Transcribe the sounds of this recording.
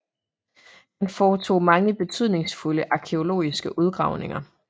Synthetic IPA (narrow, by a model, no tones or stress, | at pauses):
hænfɒːt͡sʰo̝̰ːmɑ̈ŋəb̥e̝t͡sʰyð̞ˠne̝ŋsfuləʔɑ̈kʰeo̝lo̝̰ːisɡ̥əʔuð̞ˠɡ̥ʁɑ̈ʊne̝ŋɐ